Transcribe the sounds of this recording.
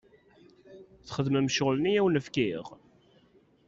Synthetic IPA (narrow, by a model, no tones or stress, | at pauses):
θχəðmæmʃəʁlnijæwnəfkiʁ